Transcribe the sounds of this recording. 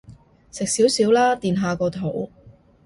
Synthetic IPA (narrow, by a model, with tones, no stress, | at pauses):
sɪ˨k̚siː˨˥wsiː˨˥wlaː˥t̪iː˨nɦaː˨kɔː˧t̪ʰo˨˩w